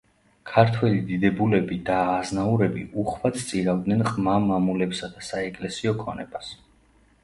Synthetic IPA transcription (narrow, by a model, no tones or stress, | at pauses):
kʰaɾt̪ʰwɛlid̪id̪ɛbulɛbid̪aːznauɾɛbḭʔuχvat̪st̪sʼiɾavd̪̚nɛnχʼmamamulɛpsad̪asaɛkʼlɛsiɔkʰɔnɛbas